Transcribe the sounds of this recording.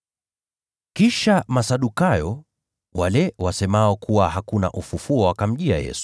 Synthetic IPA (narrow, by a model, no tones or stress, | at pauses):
kiʃamasaɗukajɔ | walɛwasɛmaɔkʰuwahakuna̰ʔufufuɔwakam̩ʄia̰jɛ̰su̥